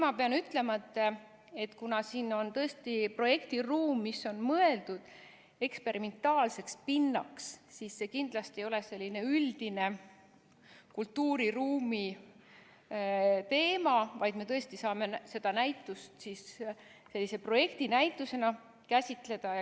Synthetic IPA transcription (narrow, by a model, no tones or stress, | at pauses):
mɑpe̞ɑnyt̪ːˑle̞mɑt̪ːˑe | e̞t̪ːˑkunɑsiːno̞nt̪ɤ̞e̞st̪ipro̞je̞kt̪iruːmːisːo̞nmɤe̞ld̪̥ud̪̥ | e̞kspe̞ɾʔime̞nt̪ːˑɑːlse̞kspinːɑkssiːsːe̞kind̪̥lɑst̪ie̞jo̞le̞se̞lʲːine̞yld̪̥ine̞ | kult̪ːuːɾiruːmi | t̪e̞ːmɑvɑjd̪̥me̞t̪ɤ̞e̞st̪isɑːme̞se̞d̪̥ɑnæjt̪ːˑust̪siːs | se̞lːise̞pro̞je̞kt̪inæjt̪ːˑuse̞nɑ | kæsʲit̪ˑle̞d̪̥ɑ